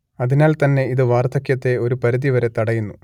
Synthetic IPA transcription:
ɐðinaːlt̪ɐnːe̞iðɨʋaːrt̪ʰɐkjɐt̪ːe̞o̞ɾupɐɾiðiʋɐɾe̞t̪ɐɽɐjunːu

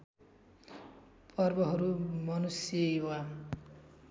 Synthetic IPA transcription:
pʰʌrbʌɦʌɾumʌnusjejowa

